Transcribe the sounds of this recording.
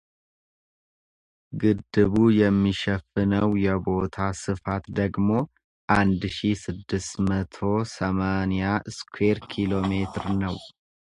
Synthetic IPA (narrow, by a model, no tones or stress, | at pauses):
ɡɨd̪ːɨβujɛmːiʃɛfɨnəwjɛbo̞t̪ʰasɨfat̪d̪əɡmo̞ | ʔand̪ʃisɨd̪ːɨst̪mət̪ʰo̞səmanjaskʰʷweɾkʰilo̞me̞t̪ʰɾnəw